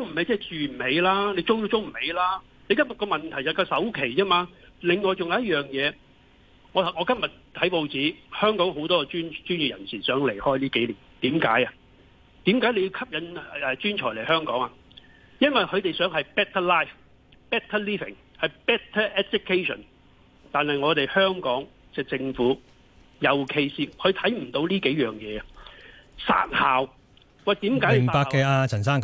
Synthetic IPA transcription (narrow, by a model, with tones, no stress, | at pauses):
o˥ŋm̩˨˩hɐ˨˧jt͡sɛː˥˨˩t͡syː˨˧m̩˨˩he˨˧jlaː˥ne˨˧jt͡sʊ˥wju˧t͡so˥wm̩˨˩he˨˧jlaː˥ | ne˨˧jkɐ˥mjɐ˨t̚kɔː˧mɐ˨nt̪ʰɐ˨˩jsɐ˨˩kaː˧sɐ˨˥wkʰe˨˩jt͡sɛː˥maː˧lɪ˨ŋŋɔː˨jt͡sʊ˨ŋjjɐ˥t̚jœː˨ŋjɛː˨˧ | ŋɔː˨˧˨ŋɔː˨˧kɐ˥mjɐ˨t̚t̪ʰɐ˨˥jpo˨˧wt͡siː˨˥hœː˥ŋkɔː˨˥ŋɦo˨˥wt̪ɔː˥kɔ˧t͡ʃyː˥nt͡ʃyː˥njy˨jɐ̰˨˩nsiː˨˩sœː˨˥ŋle˨˩jhɔː˥jliː˥ke˨˥jliː˨˩nt̪iː˨˥mka̰ː˨˥jɐ˨ | t̪iː˨˥mkaː˨˥jle˨˧ji˧wkʰɐ˥p̚jɐ˨˧nɛː˨˧t͡ʃyː˥nt͡ʃʰɔː˨˩jle˨˩jhœː˥ŋkɔː˨˥ŋa˨ | jɐ˥nwɐ˨jkʰɵ˨˧t̪e˨jsœː˨˥ŋhɐ˨jpɛː˥t̪ʰɐ˥laː˥˩jf | pɛː˥t̪ʰːɐ˥liː˥vɪ̰˨˩ŋ | hɐ˨jpɛː˦˥t̪ʰɐ˥ʔɛ˥su˥kʰːe˥sɔ̰˨˩n | t̪aː˨nhɐ˨jŋɔː˨˧t̪e˨jhœː˥ŋkɔː˨˥ŋ | t͡sɛː˧t͡sɪ˧ŋfuː˨˥ | jɐ˨wkʰe˧jsiː˨kʰɵ˨˧t̪ʰɐ˨˥jm̩˨˩t̪o˨˧wliː˥ke˨˥jjœː˨ŋjɛː˨˧˨ | sa̰ː˧˥t̚haː˨w | wɐ˨˩t̪iː˨˥mkaː˨˥m˨˩ŋpaː˧kkːɛː˧aː˧t͡sʰɐ˨˩nsaː˥ŋ